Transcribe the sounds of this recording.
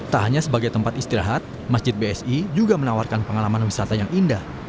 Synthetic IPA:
t̪aɦaɲasəbaɡajt̪əmpat̪ist̪iɾaɦat̪̚ | masd͡ʒɪt̪̚beɛsid͡ʒuɡamənawarkanpəŋalamanwisat̪ajaŋʔindah

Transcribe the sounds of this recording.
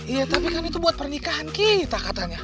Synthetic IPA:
ijat̪apikanit̪ubuat̪̚pərnikaɦankit̪akat̪aɲa

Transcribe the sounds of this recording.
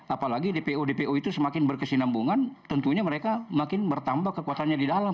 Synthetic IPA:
apalaɡidepeodepeʔoit̪usəmakɪnbərkəsinambuŋant̪ənt̪uɲaməɾekamakɪnbərt̪ambakːəkuat̪anɲadidala

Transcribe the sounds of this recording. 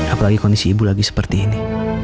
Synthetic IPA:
apolaɡikɔndisiːbulaɡisə̥pərt̪iini

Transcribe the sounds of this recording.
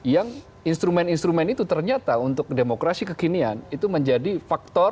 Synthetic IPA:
jaŋ | inst̪ɾumɛninst̪ɾumɛnit̪ut̪ərɲat̪aunt̪ʊk̚demokɾasikəkinianit̪uməɲd͡ʒadifak̚t̪ɔ

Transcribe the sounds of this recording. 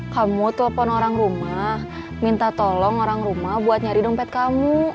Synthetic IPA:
kamut̪ələpɔnoɾaŋɾumah | mint̪at̪olɔŋoɾaŋɾumahbuat̪̚ɲaɾiduŋpɛt̪̚kamu

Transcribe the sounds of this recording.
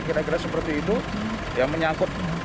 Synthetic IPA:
kit̪aɡəlasəpərt̪iːt̪u | jaŋməɲaŋkʊt̪̚

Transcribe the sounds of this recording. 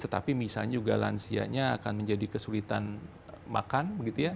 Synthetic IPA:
t̪ət̪a̰pimisa̰lɲad͡ʒuɡala̰nsia̰ɲaːkanməɲd͡ʒadikəsulit̪an | ma̰kanbəɡit̪uja

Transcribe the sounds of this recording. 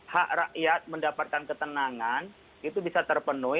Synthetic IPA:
haʔraʔjat̪̚məndapat̪̚kankət̪ənaŋan | it̪ubisat̪ərpənʊ

